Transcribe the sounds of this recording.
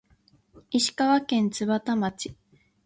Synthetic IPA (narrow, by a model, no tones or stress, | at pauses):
iɕi̥kaβakẽ̞nt͡sɨβat̪amat͡ɕi̥